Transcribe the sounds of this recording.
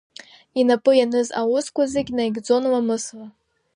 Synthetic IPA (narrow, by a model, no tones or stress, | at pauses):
inapʼɨjanɨzaʊskʷazeɡʲnajɡʲd͡zo̞nwamɨsla